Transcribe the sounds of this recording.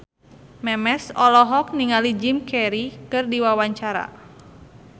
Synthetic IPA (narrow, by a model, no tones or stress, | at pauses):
mɛmɛsɔlɔɦɔk̚niŋalid͡ʒimkɛɾikɨrdiwawaɲt͡ʃaɾa̰